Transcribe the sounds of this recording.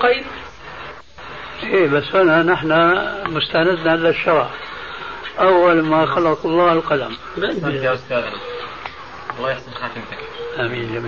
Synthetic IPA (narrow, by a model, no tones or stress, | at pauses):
qɑjːd | ʔeːbasːʔananɪħnamʊst̪aʕnad̪naʕalaʃːɑɾˤʕ | ʔawːalmaxɑlɑtɑlˤːɑːhlqɑla̰m | aʊst̪aːd̪na | ɑlˤːɑːjaħsɑnxaːt̪ɪmt̪akʔaːmiːnlam